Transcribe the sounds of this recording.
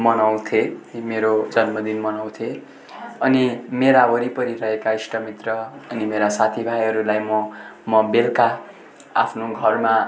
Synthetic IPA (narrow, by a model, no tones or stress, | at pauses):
mʌnaw̃t̪ʰemeɾod͡zʌnmʌd̪inmʌnaw̃t̪ʰe | ʌnimeɾaɦʌɾipʌɾiɾʌɦekaisʈʌmit̪rʌʌnimeɾasat̪ʰibʱajɦʌɾulajmʌmʌbelka | a̰pʰnoɡʱʌrma